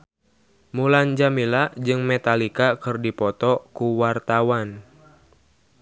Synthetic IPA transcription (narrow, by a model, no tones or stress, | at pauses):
muland͡ʒamilad͡ʒɨŋmɛt̪alikakɨrdipɔt̪ɔkuwart̪awan